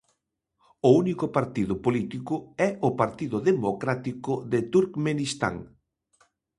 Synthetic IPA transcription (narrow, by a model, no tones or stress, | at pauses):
ʊunikʊpaɾt̪iðʊpolit̪ikʊɛʊpaɾt̪iðʊðemokɾat̪ikʊðet̪uɾkmenist̪a̰ŋ